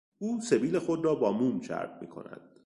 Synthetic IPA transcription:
uːse̞biːle̞xo̞d̪rɒːbɒːmuːmʃʰæ̰ɾbmḭːkʰo̞̰næ̰d̪̥

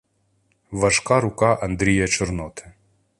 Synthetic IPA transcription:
ʋɐʒkɑɾʊkɑʔɐnd̪ɾʲijɐt͡ʃɔrnɔt̪ɪ̥

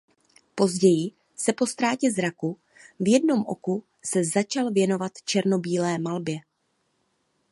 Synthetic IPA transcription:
po̞zɟɛjɪ | sɛpo̞st̪ɾaːcɛzɾaku | vjɛdno̞mʔo̞̰ku | sɛzat͡ʃalvjɛno̞vat̪t͡ʃɛɾno̞biːlɛːmalbjɛ

